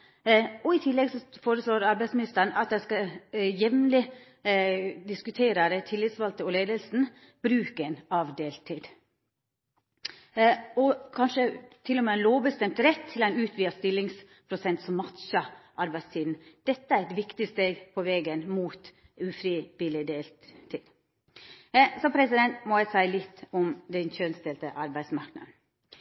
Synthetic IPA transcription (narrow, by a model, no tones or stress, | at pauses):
ɔɪt̪ʰɪlːɛɡsɔfoːɾəsloːɾɑɾbæɪsmɪnɪst̪əɳʔɑt̪̚d̪æskɑjɛmnlɪ | d̪ɪskʉt̪ʰeːɾəɾət̪ʰɪlːɪt̪sʋɑlt̪əɔleːd̪əlsn̩ | b̥ɾʉːkəenɑʋd̪eːlt̪ʰiːd̪ | ɔkʰɑnʃət̪ʰɪlɔmeɛnloːbəst̪ɛmt̪ɾɛt̪ʰːɪlæɪnʉːt̪ʰʋiːəst̪ɪlːɪŋs | pʰɾʊsɛnt̪sɔmmɑt̪ʃəʔɑɾbæɪst̪ʰiːd̪n̩d̪̥ɛt̪ːəæɾɛt̪ʋɪkt̪ɪst̪eːɡpʰɔʋɛːɡənmuːt̪ | ʉfɾiːʋɪlɪd̪eːl | t̪ʰiːd̪ | sɔmpʰɾɛsɪd̪ɛnt̪mɔæɪsæɪlɪt̪ːʊmd̪ɛnçœnst̪ɛlt̪əʔɑɾbæɪsmɑɾknɑ̰d̪n̩